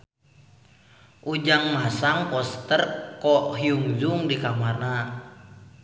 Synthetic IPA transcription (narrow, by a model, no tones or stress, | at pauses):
ʔud͡ʒaŋmasaŋpɔst̪ərkɔɦiuŋd͡ʒuŋdikamarna